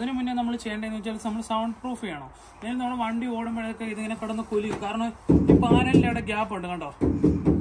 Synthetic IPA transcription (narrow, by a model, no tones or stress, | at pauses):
ɐðinɨminːenɐmːɐɭt͡ɕejːɐɳɖeenɨʋit͡ɕːaːlnɐmːɐɭsɐwɳɖpruːfijaːɳoː | eːlnɐːɭuʋɐɳɖio̞ːɽumelɐjokːeiðeŋːɐnekɐɽɐnːɨkulijukaːɾɐɳɐmipːaːlɐilːejɽeɡʲaːboɳɖɨkɐɳɖoː